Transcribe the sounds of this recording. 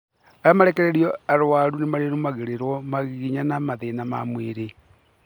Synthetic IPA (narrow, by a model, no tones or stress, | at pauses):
ajɔmaɾekeɾeɾiɔaɾowaɾunemaɾeɾumaɣeɾeɾwɔmaɣiɣiɲanamaðenama̰mweɾe